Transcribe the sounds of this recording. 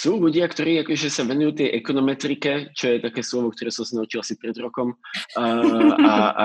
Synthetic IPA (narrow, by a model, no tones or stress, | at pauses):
suːluɟɪakt̪ɔɾiːakɔʒɛsaʋɛnujuːt̪ɛjʔɛkɔnɔmɛt̪ɾikɛt͡ʃɔjɛt̪akɛːslɔʋɔkt̪ɔɾɛːsɔmsanaut͡ʃilasipɾɛd̪ɾɔkɔm | a̰